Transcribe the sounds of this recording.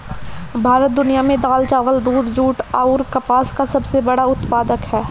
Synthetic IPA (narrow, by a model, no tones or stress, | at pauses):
bʱaːɾət̪̚d̪ʊnijamẽd̪aːlt͡ʃaːʋəld̪uːd̪d͡ʒuːʈaːʊɾkɐpaːskasɐbsebɐɽaʊt̪paːd̪əkɦɛː